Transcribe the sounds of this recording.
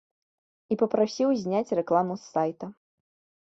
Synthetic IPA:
ipɐpɾasʲiwzʲnʲat͡sʲrɛklˠamusːajt̪ɐ

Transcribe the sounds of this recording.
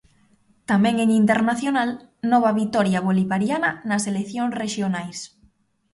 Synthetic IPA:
t̪amɛ̃ŋeŋint̪eɾnaθjonalnɔβ̞aβit̪ɔɾjaβ̞oliβaɾjananaselekθjoŋsreʃjonajs

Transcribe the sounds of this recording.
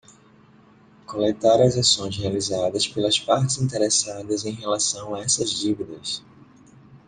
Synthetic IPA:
kolet̪aɾɐzasõj̃zhealizad̪ɐspelɐspaɾt͡ʃɪzĩnt̪eɾesad̪ɐzẽj̃ɦelasɐ̃w̃aɛsɐzd͡ʒivid̪ɐs

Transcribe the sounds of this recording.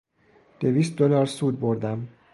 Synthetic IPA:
d̪̥e̞viːst̪̚d̪olɒːɾsuːd̪̚bo̞ɾd̪æm

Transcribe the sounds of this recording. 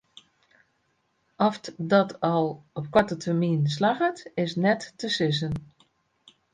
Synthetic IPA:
ɔfdɔtʰɔlˠɔp̚kwɔtətʰəmiːns̬laɣətɪsnɛtːəsɪs̬ən

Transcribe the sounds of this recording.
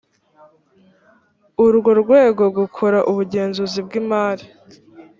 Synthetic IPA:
uɾɡo̞ɾɡwe̞ːɡo̞ɡukʰoɾaʔuβuɟe̞ːnzuzib̚ɡiːmaːɾi

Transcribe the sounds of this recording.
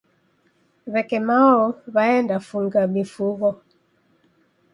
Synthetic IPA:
βɛkɛmaɔβaɛndafuŋɡamifuɣɔ

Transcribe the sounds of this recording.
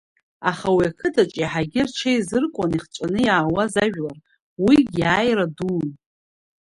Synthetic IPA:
aχawiakʰɨdʰat͡ʃʼiħaɡʲɪrt͡ʃʰejzɨrkʷʼaniχt͡ʃʷʼanɨjaːwazaʒᶣlar | wiɡʲaːjraduːn

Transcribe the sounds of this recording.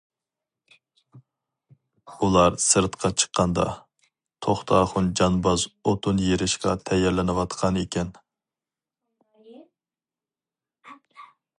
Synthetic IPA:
ulˠɑɾsɨɾt̪qʰɑt͡ʃʰə̥qʰːɑnd̪ɑ̰ | t̪ʰoχt̪ʰɑːχʊnd͡ʒɑnbɑzot̪ʰunjeɾɪʃqɑt̪ʰɛjːɛɾlɪnɨwɑt̪qʰɑnekʲɛn

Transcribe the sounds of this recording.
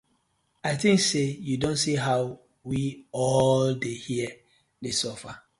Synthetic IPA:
aɪθĩŋksejudõntsiɦaw | wiɔldehiə | desɔfa

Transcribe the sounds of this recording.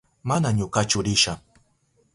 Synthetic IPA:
manaɲʊkat͡ʃʊɾɪʃaχ

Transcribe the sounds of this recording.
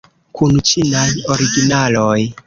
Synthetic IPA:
kʰunt͡ʃinajo̞ɾiɡinaloj

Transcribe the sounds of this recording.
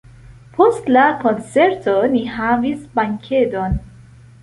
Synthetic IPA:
pʰo̞stlako̞nt͡se̞ɾto̞niɦavisbaŋkʲʰe̞don

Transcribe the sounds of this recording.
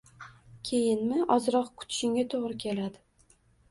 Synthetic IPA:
kʲʰe̞jɪnmɪʔɒzɾɒqkʰʊ̥t̪ʰɪ̥ʃɪŋɡʲat̪ʰoʁɾɪkʲʰe̞lad̪ɪ

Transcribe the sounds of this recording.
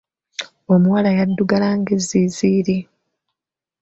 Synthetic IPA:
o̞muwalajadːuɡalaŋɡezːiziːɾi

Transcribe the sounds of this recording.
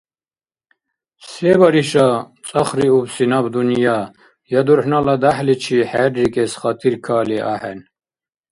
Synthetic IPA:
sɛːbaɾiʃa | t͡s̪ʼaχɾiubsinabd̪unjaː | jad̪uɾħnalad̪aħlit͡ʃʰiħɛːɾːikʼɛsχat̪ʰiɾkʰaːliʔa̰ħɛn

